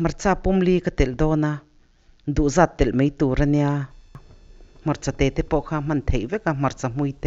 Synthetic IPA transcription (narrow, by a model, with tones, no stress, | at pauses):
ma˧ɾt͡sa˧pu˦mli˦ka˧t̪e˨ld̪o˧˦na˧ | nd̪u˨za˦˧˨t̪ːe˨lme˨˦jt̪u˧˨ɾa˧nja˧ | m̥a˧ɾt͡sa˧t̪e˧˨t̪e˧po˧ʔxa˧ma˧˨nt̪ʰhe˨jbe˦ka˧mma˧ɾt͡sa˧mwi˧jt̪e˧